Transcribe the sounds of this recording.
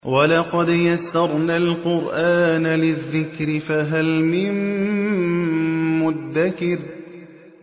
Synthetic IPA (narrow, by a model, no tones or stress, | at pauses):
walɑqɑd̪jasːɑɾˤnaːlqʊɾʔaːnalɪðːɪkɾɪfaɦalmɪn | mʊd̪ːakɪɾ